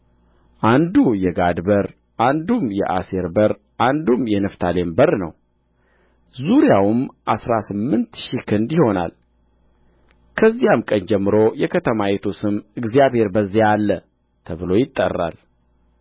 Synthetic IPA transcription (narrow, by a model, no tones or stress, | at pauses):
ʔand̪ujɛɡad̪bəɾ | ʔand̪umjɛ̰ʔaseɾbəɾ | ʔand̪umjɛnɨft̪ʰalembəɾnəw | zuɾjawɨmʔasɾasɨmːɨnt̪ʃikʰɨnd̪jɪho̞na̰l | kʰəzːijamkʼənd͡ʒɛmːɨɾo̞jɛkʰət̪ʰəmajet̪ʰusɨmɨɡzijaβhe̞ɾbəzːialːə | t̪ʰəβɨlo̞jɪt̪ʼːə̰rːa̰l